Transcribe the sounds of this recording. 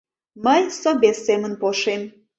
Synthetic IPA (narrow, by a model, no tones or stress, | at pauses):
məjsobesːemənpoʃem